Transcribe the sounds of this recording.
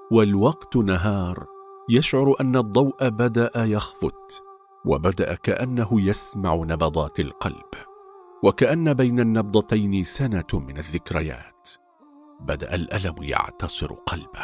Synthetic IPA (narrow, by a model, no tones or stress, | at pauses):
walwɑqt̪naɦɑːɾˤjaʃʕʊɾˤʔanːad̪ˤːɑwʔabad̪aʔajɑxfʊt̪ | wa̰bad̪aʔakaʔanːaɦʊjasmaʕʊnɑbɑd̪ˤɑːt̪alqɑ̰lb̥wakaʔanːabajnanːɑb̚d̪ˤɑt̪ajnɪsanamɪnaðːɪkɾɪja̰ːt̪ | bad̪a̰ʔalʔalamja̰ʕt̪ɑsˤɨɾ̰qʰɑlba